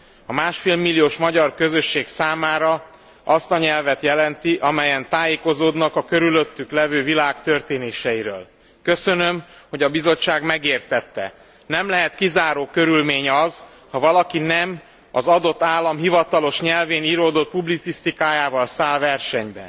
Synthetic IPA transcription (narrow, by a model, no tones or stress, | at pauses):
ɒmaːʃfeːlmilːijoːʃmɒɟɒrkø̞zøʃːeːksaːmaːɾɒ | ɒst̪ɒɲɛlvɛt̪jɛlɛnt̪iʔɒmɛjɛnt̪aːjeːko̞zoːd̪nɒkɒkøɾyløt̪ːyklɛvøːvilaːkt̪ø̞rt̪eːneːʃɛjiɾø̰ːl | køsø̞nø̞mho̞ɟɒbizo̞t͡ʃːaːɡmɛɡeːrt̪ɛt̪ːɛ̰ | nɛmlɛɦɛt̪kizaːɾoːkø̞ɾylmeːɲɒz̥ | hɒvɒlɒkinɛm | ɒzɒd̪o̞t̪ːaːlːɒmɦivɒt̪ɒlo̞ʃɲɛlveːniɾoːd̪o̞t̪̚publit̪sist̪ikaːjaːvɒlsaːlvɛrʃɛɲbɛ̰